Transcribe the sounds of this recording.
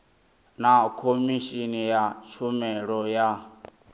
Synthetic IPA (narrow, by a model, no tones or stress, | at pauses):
nakʰomiʃinijat͡ʃʰumɛɺɔja